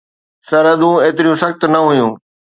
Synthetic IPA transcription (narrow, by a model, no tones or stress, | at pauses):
sɐɾɐd̪ũeːt̪ɪɾijũsɐxt̪nɐɦʊjũː